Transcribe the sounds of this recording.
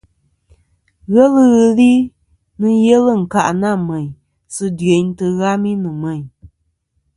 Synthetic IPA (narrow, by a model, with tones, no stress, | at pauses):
ɣɛ˦lɨ˦ɣɨ˨li˦ | nɨ˦je˦lɨ˦˨ŋ̩˨ka˨ʔna˦˨mɛ˨ɲ | sɨ˦dɥe˨ɲ˦tɨ˧ɣa˦mi˦nɨ˨mɛ˨ɲ